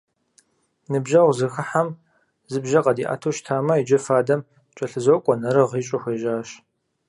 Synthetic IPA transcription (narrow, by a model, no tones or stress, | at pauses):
nɨbʒɐwzɨxɐħam | zɨbʒɐqɐdiːʔa̰ːtʰoʃtʰaːmɐid͡ʒɐfaːdɐm | t͡ʃʼɐɬɨzokʷʼɔnɐɾɨʁiːɕʼɪxʷeːʒaːɕ